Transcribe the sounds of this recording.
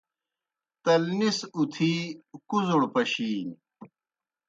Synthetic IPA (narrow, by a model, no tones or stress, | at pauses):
t̪ɐlnisut̪ʰiːkuzoɽpɐɕiːn